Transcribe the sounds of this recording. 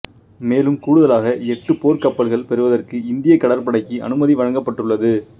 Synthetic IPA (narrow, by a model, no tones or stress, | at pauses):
meːlɯmkuːɽɯðɐlaːɣɐɛʈːɯpoːɾkɐpːɐɭɣɐɭpɛɾɯʋɐðɐrkɯɪnd̪ɪjɐkːɐɽɐɾpɐɽɐɪkːiʔɐ̰nɯmɐðiʋɐɻɐŋɡɐpːɐʈːɯɭːɐðɯ